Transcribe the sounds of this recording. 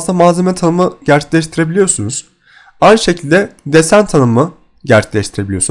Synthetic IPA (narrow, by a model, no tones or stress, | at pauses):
st̪ʰamaːzemɛt̪ʰanɯmɯɟæɾt͡ʃʰe̥clʲɛʃt̪ʰiɾe̞bilʲijo̞ɾsunuz̥ | ajnʃe̞cʰilʲd̪ɛd̪esænt̪ʰanɯmɯ | ɟæɾt͡ʃe̥lʲɛʃt̪ʰiɾe̞bilʲijo̞s